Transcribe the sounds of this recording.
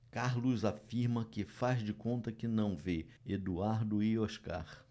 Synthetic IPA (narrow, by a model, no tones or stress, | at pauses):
kaɾlʊzafiɾmɐkɪfazd͡ʒɪkõnt̪ɐkɪnɐ̃w̃ve | ed̪uaɾd̪ʊɪoʃka̰χ